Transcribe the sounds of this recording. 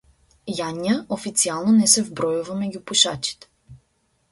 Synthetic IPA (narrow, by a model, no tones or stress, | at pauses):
jaɲjəofit̪sialˠnonɛsɛvbɾɔjuvamɛɟʲupuʃat͡ʃi̥t̪ɛ̥